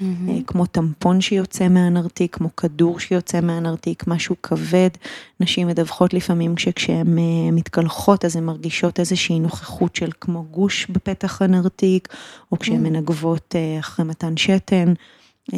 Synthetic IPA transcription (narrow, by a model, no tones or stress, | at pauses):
kmo̞t̪ampo̞nʃejo̞t͡se̞meanaʁtikʰːmo̞kʰaduʁʃejo̞t͡se̞meanaʁtikmaʃukʰave̞dnaʃimedavχo̞tlifamimkʃekʃeememit̪kalχo̞tazemːaʁɡiʃo̞te̞zeʃiːnoχe̥χutʃelkmo̞ɡuʃbepe̞taχanaʁtikokʃeemːenaɡvo̞taχʁejmatanʃete̞n